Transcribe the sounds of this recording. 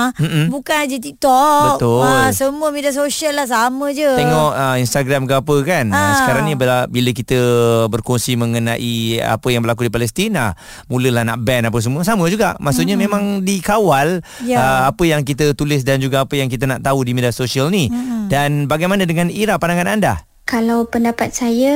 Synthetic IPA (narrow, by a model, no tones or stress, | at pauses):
m̩m̩bukanad͡ʒət̪ik̚t̪ɔbək̚t̪ʊlsəmuəmedias̬osiəlːahs̬amə̃d͡ʒət̪eŋɔʔəinst̪aɡɾamɡapəkansəkaɾaŋnibəabiləkit̪əbərkonsiməŋənaʔia̰pəjaŋbəɾlakudipalɛst̪ina̰ | mũləlahnaʔbɛnap̬əsəmuəsamə̃d͡ʒuɡa̰ʔmasuʔɲamẽmãŋdikawaljəapəjaŋkit̪ət̪ulɪs̬dand͡ʒuɡaːpəjaŋk̬it̪ənaʔt̪audimediasosialnidanbaɡajmanədəŋãniɾaʔ̚panaŋananda | kalawpəndapat̪̚sajə